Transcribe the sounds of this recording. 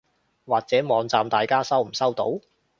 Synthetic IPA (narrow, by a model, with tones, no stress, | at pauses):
waː˨k̚t͡sɛː˨˥mɔː˨˧ŋt͡saː˨mt̪aː˨jkaː˥sɐ˥wm̩˨˩sɐ˥wt̪o̰˨˥w